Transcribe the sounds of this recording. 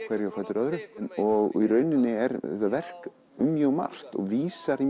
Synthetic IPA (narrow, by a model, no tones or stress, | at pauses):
kʰvɛɾjawfɛt̪ʏɾœðɾʏðnɔɣiɾœɥnːɪnːɪɛɾɛht̪avɛr̥k | ʏmːjœːɣma̰r̥t̪ɔ̰ɣviːsaɾi